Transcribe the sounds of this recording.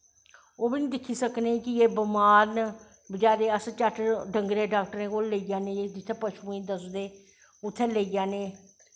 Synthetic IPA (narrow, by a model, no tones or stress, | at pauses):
oːbiːnĩd̪ɪkʰːiːsəkneːkɪeːbəmaːɾn | bəd͡ʒaːɾeːəst͡ʃəʈʰɖəŋɡɾeːɖaːk̚ʈəɾẽːkoːlleid͡ʒaːnẽːed̪ɪt̪ʰːepəʃuːiːd̪əsd̪eː | ʊt̪ʰːeːleid͡ʒaːneː